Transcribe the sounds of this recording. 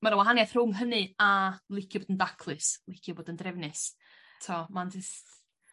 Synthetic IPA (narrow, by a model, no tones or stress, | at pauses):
maɾəwaɦanjaθr̥ʊŋɦənɨalˠɪkʰjʊboːdəndakʰlˠɨslˠɪkʰjʊboːdəndrɛvnɨs | tʰɔmand͡ʒɪst